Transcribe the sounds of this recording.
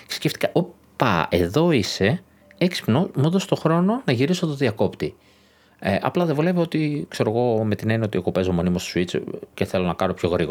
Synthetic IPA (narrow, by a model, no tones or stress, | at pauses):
çsisceft̪ikɐʔo | pɐ̰eðo̞ise̞ | eksi̥pnomuðost̪o̞xɾo̞nonɐʝiɾiso̞t̪oðiɐko̞pt̪i | eʔɐ̰plɐðevule̞vio̞t̪ikse̞ɾo̞ɣo̞me̞t̪inenio̞t̪ioɣo̞pe̞zomo̞nimost̪o̥suit͡sceθe̞lo̞nɐkɐno̞pço̞ɣɾiɣ